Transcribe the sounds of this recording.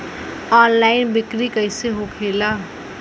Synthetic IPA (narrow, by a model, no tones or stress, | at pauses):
ɔnlainbikɾikʌjseɦokʰela